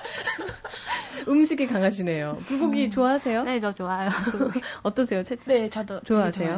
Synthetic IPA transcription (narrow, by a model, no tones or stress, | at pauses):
ɯmɕʰiɡekaŋaɕ̬ʰine̞jopuɡoɡit͡ɕoaɦasʰe̞joneot͡ɕoajo | ʌt͈ʌsʰe̞jot͡ɕʰenet͡ɕʌdʌt͡ɕoaɦasʰe̞jo